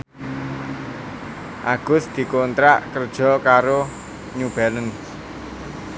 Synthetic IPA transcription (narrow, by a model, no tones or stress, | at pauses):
ʔaɡ̥ʊ̤sd̪̥i̤kont̪ɾaʔkərd̥ʒ̥ɔ̤kaɾo | ɲub̥alən